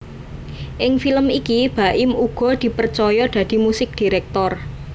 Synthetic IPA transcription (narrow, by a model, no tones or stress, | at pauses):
ʔɪŋfiləmikib̥a̤ʔɪmuɡ̥ɔ̤d̪̥i̤pərt͡ʃɔjɔd̪̥ä̤d̪̥i̤musɪk̚d̪̥i̤ɾɛk̚t̪ɔr